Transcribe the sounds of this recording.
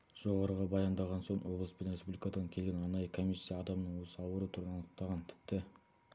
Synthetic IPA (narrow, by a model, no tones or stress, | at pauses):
ʒ̥o̞ʁɑɾəʁɑbɑjɑnd̪ɑʁɑnso̞ɴwo̞blˠəspenɾespublʲijkɑd̪ɑŋkʲʰe̞lɡʲenɑnɑjəkʰomijsʲːijɑːd̪ɑmnəɴwosəɑwəɾut̪ʰʊɾɑnəq̚t̪ɑʁɑnt̪ʰɪ̥p̚t̪ɪ